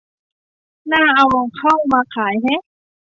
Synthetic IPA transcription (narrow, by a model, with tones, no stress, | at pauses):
naː˥˩ʔa˧wmɔː˧ŋkʰa˥˩˨wmaː˧kʰaː˨˩˦jɦa˦˥˦